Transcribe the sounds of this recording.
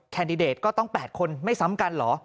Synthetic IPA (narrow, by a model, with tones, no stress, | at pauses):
kʰɛː˧ndi˧deː˨˩t̪̚kɔː˥˩t̪ɔ˥˩ŋpɛː˨˩t̪̚kʰo˧nma˥˩jsa˨˦˥mka˧nlɔː˩˦